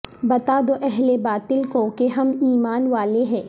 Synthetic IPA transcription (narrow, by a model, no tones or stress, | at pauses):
bɐt̪ad̪oʔɛɦlebaːt̪ɪlkokeɦɐmiːmaːnʋaːleɦɛ̃ː